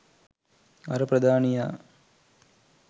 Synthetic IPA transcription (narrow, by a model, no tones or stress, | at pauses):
ɐ̰ɾəpɾɐd̪aːnijaː